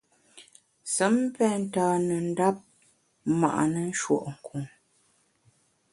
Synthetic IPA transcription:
sə˨˦m˦pɛ˦˨n̩˦taː˦nə˨n̩˦da˦p̚ | ma̰˨ʔa̰˨nə˦n̩˦ʃwo̰˦˨ʔŋ̩˨kʰu˨ŋ

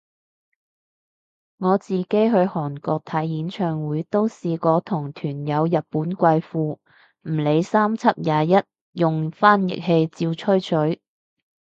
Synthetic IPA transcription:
ŋɔː˨˧t͡siː˨ke˨˥jɦɵ˧hɔː˨˩nkɔː˧k̚t̪ʰɐ˨˥jjiː˨˥nt͡ʃʰœː˨ŋwuː˨˥jt̪o˥wsiː˧kɔː˨˥t̪ʰʊ˨˩ŋt̪ʰyː˨˩njɐ˨˧wjɐ˨t̚puː˨˥nkʷɐ˧jfuː˧ | m̩˨˩le˨˧jsaː˥mt͡sʰɐ˥p̚jaː˨˧jɐ˥t̚ | jʊ˨ŋfaː˥njɪ̰˨k̚he˧jt͡siː˧wt͡ʃʰɵ˥ɥt͡ʃʰɵ˨˥ɥ

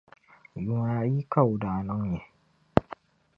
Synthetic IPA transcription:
ju˨ŋa˨˦ji˦ka˦˨u˨daː˨nɔ˦ŋɲɛ˨

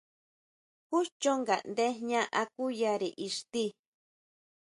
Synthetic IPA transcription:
hu˦ʃt͡ʃo˦ŋɡa̰˨ʔnd̪e˦ɲã˦ʔa˧ku˦ja˧ɾi˨ʔi˨ʂt̪i˦

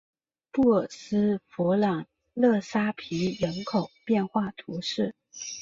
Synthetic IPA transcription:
pu˥˩˨s̩˥fu˧˥lɑ˨˩ŋ | lɤ˥˩sa˥pʰi˧˥ɻə˧˥nkʰo˨˩ʊpjɛ˥˧nxwa˥˩t̪ʰu˧˥ʂɻ̩˥˩

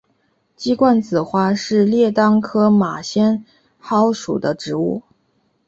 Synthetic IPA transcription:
t͡ɕi˥kwa˥˩nt͡sɹ̩˨˩xwa˥ʂɻ̩˥˧ljɛ˥˩t̪ɑ˥ŋkʰɤ˥ma˨˩ɕjɛ˥n | xɑ˧˥ʊʂṵ˨˩d̪ə˦ʈ͡ʂɻ̩˧˥ṵ˥˩

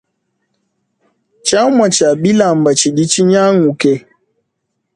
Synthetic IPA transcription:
t͡ʃa˦wma˨t͡ʃa˨bi˦la˨m̩˨ba˨t͡ʃi˨ɗi˦t͡ʃi˦ɲa˦ŋu˨ke˨˦

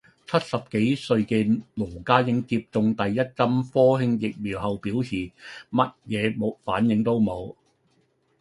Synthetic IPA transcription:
t͡sʰɐ˥t̚sɐ˨p̚ke˨˥jsɵ˧ɥkɛː˧loː˨˩kaː˥jɪ˨˥ŋt͡siː˧p̚t͡sʊ˧ŋt̪ɐ˨jːɐ˥t̚t͡sɐ˥mfɔː˥hɪ˥ŋjɪ˨k̚miː˨˩wɦɐ˨wpiː˨˥wsʰiː˨˩mɐ˥t̚jɛː˨˧mo˨˥faː˨˥njɪ˨˥ŋt̪o˥wmo˨˧w

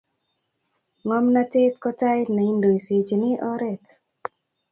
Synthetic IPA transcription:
ŋɔ˦mna˦te˦t̪kɔ˦ta˦jna˨i˦ndo˨i˨si˨t͡ʃnɪ˦ʔɔ˦ɾɛ˨t

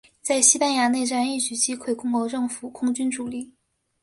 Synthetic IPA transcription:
t͡sa˥˩ɪɕi˥pa˥nja˧˥ne˥˧ɪʈ͡ʂa˥ni˥˩t͡ɕy˨˩t͡ɕi˥kʰwe˥˩ɪkʰʊ˥ŋkwɔ˧˥ʈ͡ʂɤ˥˩ŋfu˨˩˦kʰʊ˥ŋt͡ɕy˥nʈ͡ʂu˨˩li˥˩

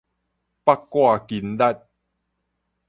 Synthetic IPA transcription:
pa˦˥kːwa˥˨ki˨˦nda˦˧t̚

